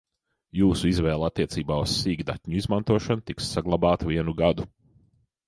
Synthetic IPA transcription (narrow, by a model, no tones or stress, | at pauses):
juːsuizvɛːlˠat̪ʲːiɛt̪siːbaːussiːɡd̪at̪ʲɲuizmant̪uɔʃanut̪iksːaɡlˠabaːt̪uviɛnuɡad̪u